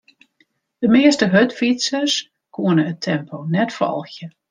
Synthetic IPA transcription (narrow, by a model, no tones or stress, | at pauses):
d̥əmɪəstəɦøtfitsəs | kʰuənəətʰɛmpʰonɛtfɔ̰lˠxjə